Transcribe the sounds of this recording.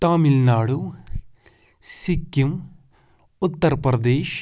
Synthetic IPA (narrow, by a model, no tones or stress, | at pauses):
t̪aːmilnaːɽu | sikːim | ʊt̪ːɐɾɐpɾɐd̪eːʃ